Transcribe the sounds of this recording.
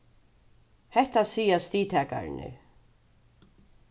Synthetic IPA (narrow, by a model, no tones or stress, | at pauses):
hɛht̪asiːjast̪iːt̪ʰɛːka̰ɾɪ̰nɪ̰